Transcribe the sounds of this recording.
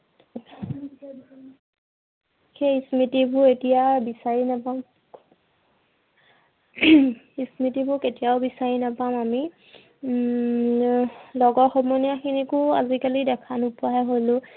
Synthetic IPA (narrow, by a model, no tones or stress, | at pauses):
xeismitibʊetijabisaɹinapam | ismitibʊketijaʊbisaɹinapamami | lɔɡɔɹxɔmɔnijaxʰinikʊazikalidɛkʰanupɔajɦolʊ̃